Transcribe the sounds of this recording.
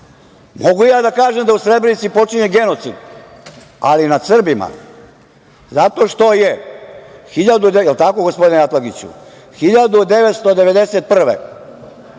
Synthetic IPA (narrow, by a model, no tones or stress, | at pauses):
mo̞ɡujaːd̪akaːʒe̞md̪ausɾe̞dbɾenit̪sipo̞t͡ʃiɲe̞ɡe̞no̞t̪sḭd̪ | a̰linad̪sr̩bima̰ | zat̪o̞ʃt̪o̞je | xiʎad̪ud̪jɛlt̪ako̞ɡospo̞d̪ineat̪lˠaɡit͡ɕṵ | xiʎad̪ud̪e̞ʋet̪st̪o̞d̪e̞ʋe̞d̪e̞set̪̚pr̩ʋḛ